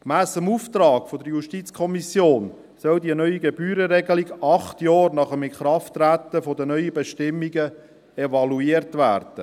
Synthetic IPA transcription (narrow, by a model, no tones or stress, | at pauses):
kmæːsəmuːft̪ɾɑːɡ̥fodəɾjuʃtit͡skʰɔmisjoːn | sœldiənœʏiɡebyːɾəɾɛɡəliɡɑχt̪jɑːɾnɑχəmɪnχɾɑftːɾæt̪ːəfod̪ənœʏəbɛʃtɪmːiɡə | ɛvɑluiərtʋæːɾd̥ə